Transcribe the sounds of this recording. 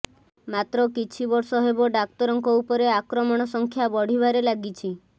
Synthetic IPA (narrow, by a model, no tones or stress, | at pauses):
mat̪ɾɔkit͡ʃʰibɔɾsɔɦebɔɖak̚t̪ɔɾɔŋkɔupɔɾeakɾɔmɔɽ̃ɔsɔŋkʰjabɔɽ̤ibaɾelaɡit͡ʃʰi